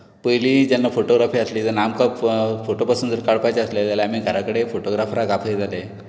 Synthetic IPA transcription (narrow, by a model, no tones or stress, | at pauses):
pəjliːd͡ʑanːafoʈoɡɾafiːəsliːd͡zəɾnamkəpfoʈopasund͡zəɾkaɽpajt͡ɕeəsled͡zjalaam̤iːɡʱəɾakəɽefoʈoɡɾafɾakapʰəd͡zʱale